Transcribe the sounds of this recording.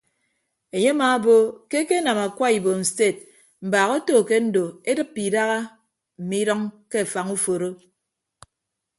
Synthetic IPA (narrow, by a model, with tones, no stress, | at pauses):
e˨ɲe˦ma˨˦bo˦ke˦ke˦na˨ma˨kʷa˦i˨bo˨n̩˨se˦˨t̚ | m̩˨baː˨ɣo˦toː˦˨ke˦n̩˦do˨e˦dɨ˦pːi˨da˦ɣa˦ | m̩˨mi˦ɾɔ˦ŋke˦a˨fa˨ŋu˦fo˨ɾo˦